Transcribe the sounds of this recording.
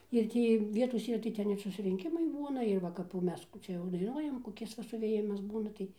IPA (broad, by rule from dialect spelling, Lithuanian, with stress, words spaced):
ɪr ˈtʲiː ˈʋʲiɛtoːs ˈiːrɐ tɐɪ ˈtʲɛn ɪr sʊsʲrʲɪŋʲˈkʲɪmɐɪ ˈbuːnɐ ɪr ˈʋɐ kɐp jɛʊ ˈmʲɛs ˈkuː t͡ʃʲɛ jɛʊ dɐɪˈnuɔjɛm koːˈkʲɪs ʋɐ sʊʋʲeːˈjɪmɐs ˈbuːnɐ tɐɪ